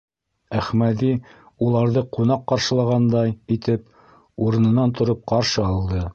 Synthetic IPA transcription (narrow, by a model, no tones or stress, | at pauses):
æχmæði | ulˠɑɾðɤqunɑqːɑɾʃɤ̆lˠɑʁɑnd̪ɑjit̪ɘp | uɾɤ̆nɤ̆nɑnt̪ŏɾop̚qɑɾʃɤɑlˠd̪ɤ